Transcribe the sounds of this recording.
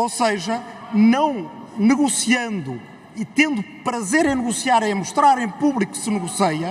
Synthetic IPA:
oseʒɐnɐ̃w̃nɨɣusiɐ̃nd̪u | it̪ẽnd̪upɾɐzeɾẽj̃nɨɣusiaɾẽmuʃt̪ɾaɾẽj̃puβlˠiku̥sɨnɨɣusejɐ

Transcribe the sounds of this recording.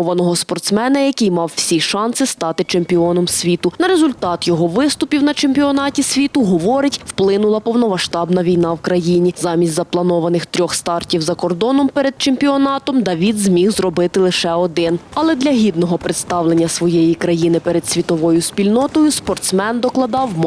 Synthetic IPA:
ʋɐnɔɦɔspɔrt̪smɛnɐjɐkɪjmɑwwsʲiʃɑnsɪst̪ɑt̪ɪt͡ʃemʲpʲiɔnɔmsʲʋʲit̪ʊnɐɾezʊlʲt̪ɑt̪jɔɦɔʋɪst̪ʊpʲiwnɐt͡ʃemʲpʲiɔnɑtʲisʲʋʲit̪ʊɦɔʋɔɾɪtʲwplˠɪnʊlˠɐpɔwnɔmɐʃt̪ɑbnɐʋʲijn̪ɑwkɾɐjinʲizɑmʲisʲtʲzɐplˠɐnɔʋɐnɪxt̪ɾʲɔxst̪ɑrtʲiwzɐkɔrd̪ɔnɔmpɛɾed̪̚t͡ʃempʲiɔnɑt̪ɔmd̪ɐʋʲid̪zmʲiwzrɔbɪt̪ɪlˠɪʃɛɔd̪ɪnɐlˠɛd̪lʲɐɦʲid̪nɔɦɔpɾɪt̪st̪ɑwlˠenʲːɐsʋɔjɛjikɾɐjinɪpɛɾed̪sʲʋʲit̪ɔʋɔjʊspʲilʲnɔt̪ɔjʊspɔrt̪smɛnd̪ɔklˠɐd̪ɑwm

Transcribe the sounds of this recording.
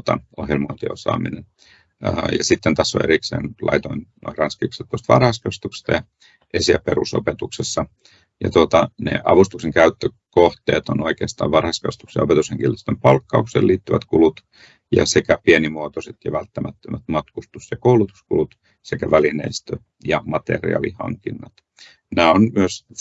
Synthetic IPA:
t̪ɑ̰ohjelmoint̪iosɑ̰ːminen | əjɑsit̪ːent̪æsːo̰eɾiksḛːnlʔɑ̰it̪oinno̰irɑnskikset̪ːuost̪ʋɑ̰rhɑskɑst̪ukst̪ɑjɑ | esiæperuso̰pet̪uksesːɑ | jɑ̰t̪uot̪ɑnḛʔɑ̰ʋust̪ukseŋkæyt̪ːøkoht̪ḛːt̪onoikeːst̪ɑ̰ːʋʋɑrhɑskɑst̪uksjɑopet̪usheŋkilːist̪ømpɑlkːɑuksḛːliːt̪ːyʋæt̪kulut̪ | jɑ̰sekæpienimuot̪oset̪jɑʋælt̪ːæmæt̪ːømæt̪mɑt̪kust̪usjɑkoulut̪u̥skulut̪ | sekæʋælineist̪ø | jɑmɑt̪ḛrḭɑ̰lihɑ̰ŋkinːɑt̪ | næːonmyøs

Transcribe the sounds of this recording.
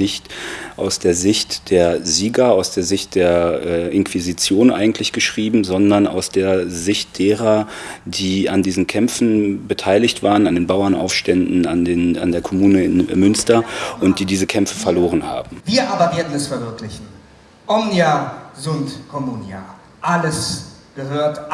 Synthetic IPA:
nɪçtʔaʊsd̥eːɐzɪçtd̥eːɐziːɡɐaʊsd̥eːɐzɪçt̚d̥eːɐʔɛːʔɪnkv̥izit͡sjoːnʔa̰ɪɡŋ̩tʰlɪçɡ̥əʃʁ̥iːbm̩zɔndɐna̰ʊsd̥eːɐzɪçt̚d̥eːʁɐ | d̥iːandiːzn̩kʰɛmfn̩bətʰaɪlɪçtv̥aːʁənandeːnbaʊɐnʔa̰ʊfʃtɛndn̩a̰ndeːna̰ndeːɐkʰɔmuːnəɪ̰nmʏnstɐʔʊnt̚d̥iːdiːzəkʰɛmfəfɛɐloːʁ̞ənha̰ːbm̩viːɐʔaːbɐveːɐdn̩ɛsfɛɐvɪɐklɪçn̩ | ʔɔmnjazʊntkʰɔmuːnja | ʔaləsɡ̥əɦøːɐt

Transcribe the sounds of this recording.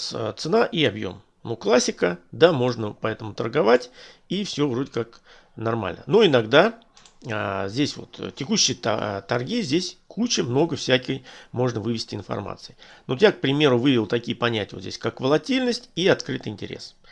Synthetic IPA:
st̪sɨnaʔiɐbjo̞̰m | nuklˠasʲːɪkəd̪amo̞ʐnəpɐɛt̪əmʊt̪ərɡɐvatʲ | ifsʲovɾo̞dʲɪkak | nɐrma̰lʲnə̰noɪnaɡd̪a | zʲdʲesʲvo̞̰t̪tʲɪkuɕːɪjə̰t̪ɐrɡʲizʲdʲesʲkʰut͡ɕɪmno̞ɡəfsʲækʲəjmo̞ʐnəvɨvʲɪsʲtʲɪɪnfɐ̰rma̰t̪sɨɪnʊt̪jak̚pɾʲɪmʲe̞ɾʊvɨvʲɪlˠt̪ɐkʲijəpɐnʲætʲɪjvozʲdʲḛsʲkakvəlˠɐtʲilʲnəsʲtʲiɐt̪kɾɨt̪ɨɪnʲtʲɪ̰ɾʲḛs

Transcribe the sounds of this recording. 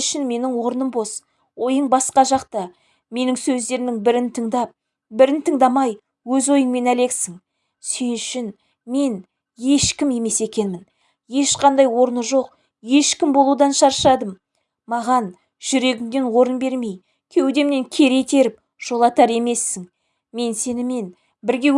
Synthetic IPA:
ʃɪnme̞nɪŋwo̞ɾnəmbo̞s | wo̞jəɴbɑsqɑʒɑqt̪ɑ | me̞nɪŋsɵzd̪e̞ɾmɪŋbɪɾɪnt̪ʰəɴd̪ɑp̚ | bɪɾɪnt̪ʰəɴd̪ɑmɑj | wɵzo̞jəɴme̞næle̞ksɪŋ | senʏʃɪn | me̞n | je̞ʃkʲɪme̞me̞se̞kʲe̞nmɪn | je̞ʃqɑnd̪ɑjwo̞ɾnəʒo̞q | je̞ʃkʲɪmbo̞lˠud̪ɑnʃɑɾʃɑd̪əm | mɑʁɑn | ʒ̥ʏɾe̞ɡʲɪmd̪e̞nwo̞ɾənbe̞ɾme̞j | kʲʰewd̪e̞mne̞ŋkʲʰe̞ɾe̞t̪ʰe̞ɾɪp̚ | ʒ̥o̞lˠɑt̪ɑɾe̞me̞sːɪŋ | me̞nse̞nɪme̞n | bɪɾɡʲe̞

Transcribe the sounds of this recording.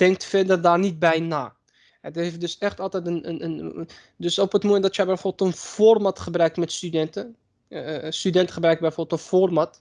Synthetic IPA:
d̥ɛŋk̚tfɛdərdaːrnit̚bɛjna̰ː | ɛdəhefdɵsɛχtɑlˠtɛjtənənən | døsopətmomɛntdɔtjəjbɛjfoːbəlˠtənv̥oːrmatχəbrœɥk̚tmɛtstydɛntə | stydɛntə̥χəbrœɥkəbɛjfoːbəlˠtənfoːrmɑt

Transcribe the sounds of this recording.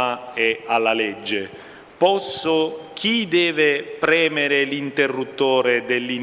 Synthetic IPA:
aɛalːalɛd͡ʒːe | pɔsːʊk̟ʰid̪ɛːvɪpɾɛːmeɾɪlint̪erːut̪ːoːɾed̪elːi

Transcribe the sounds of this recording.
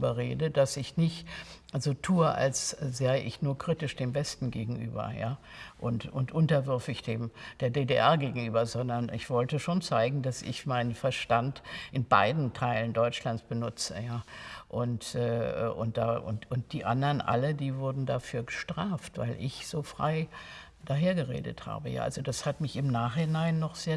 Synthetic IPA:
bɐʁḛːdəd̥asɪçnɪçtzoːtʰuːəʔa̰lszaɪəʔɪ̰çnuːɐkʁ̥itɪʃd̥eːmbɛstn̩ɡeːɡŋ̩ʔy̰ːbɐ̰ja̰ːʔʊntʔʊntʔʊntɐvʏɐfɪçd̥eːmd̥eːɐdeːdeʔɛɐɡeːɡŋ̩ʔyːbɐzɔndɐnʔɪ̰çv̥ɔltəʃoːnt͡saɪɡŋ̩dasɪ̰çmaɪnənfɛɐʃtantʔɪnba̰ɪdn̩tʰaɪləndɔʏt͡ʃlant͡sb̥ənʊt͡sə̰jaːʔʊntʔɛ̰ːʔʊnt̚d̥aːʔʊ̰ntʊnt̚d̥iːʔandɐnʔa̰lədiːvʊɐdn̩dafyːɐɡəʃtʁ̥aːftv̥a̰ɪlʔɪçz̥oːfʁ̥aɪ | d̥aɦeːɐɡəʁḛːdə̰tha̰ːbəja̰ːʔa̰lzod̥ashatmɪçɪmnaːχhɪnaɪnːɔχz̥eːɐ

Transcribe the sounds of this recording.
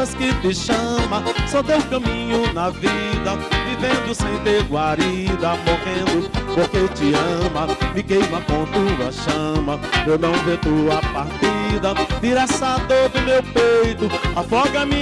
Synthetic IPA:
ɐskɪt̪ɪʃɐ̃mɐsɔd̪ewkɐ̃mĩɲʊnɐvid̪ɐvivẽnd̪ʊsẽj̃t̪eɾɡwaɾid̪ɐmoʁẽd̪ʊpoɾket͡ʃ̪ɪɐ̃mɐmɪkejmɐkõt̪ud̪ɐ̰ʃɐ̃mɐewnɐ̃w̃vet̪uɐpaɾt̪id̪ɐd̪iɾasad̪od̪ʊmewpejt̪ʊafɔɡɐmĩ

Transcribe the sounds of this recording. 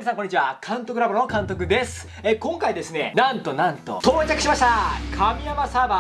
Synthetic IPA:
inesãŋkoɲːit͡ɕiβakʰãnt̪o̞kɯ̟ɾabonokãnt̪̬o̞kɯ̟d̪e̞sɨ̥ | ekõ̞ŋkaid̪e̞sɨne̞nãnt̪o̞nãnt̪o̞̰t̪o̞ːt͡ɕakɯ̟ɕimaɕi̥t̪akʰamʲijamasaba

